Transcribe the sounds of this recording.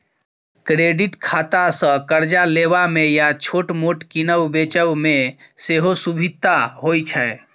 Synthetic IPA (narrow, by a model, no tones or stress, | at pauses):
kɾeɖiʈkʰat̪asə̃kəɾd͡ʒalebamejat͡ʃʰoʈmoʈkinəwbet͡ʃəʋmeseɦosubʱit̪ːaɦojt͡ʃʰɛe